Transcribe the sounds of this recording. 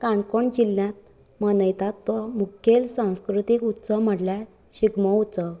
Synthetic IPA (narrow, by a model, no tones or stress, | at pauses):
kankoɳt͡ɕilːjat̪̚ | mənəjt̪at̪ːɔmukʰːelsãw̃skɾut̪ikut̪ːsəm̤əʈlja | ɕiɡmɔutt͡sə